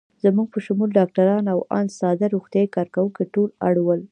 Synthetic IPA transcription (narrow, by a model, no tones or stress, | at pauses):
z̥amuɡ̚pəʃʊmulɖɑk̚ʈaɾɑnawɑ̰nsɑd̪aɾoxt̪jɑikɑɾkawukeʈola̰ɽwəl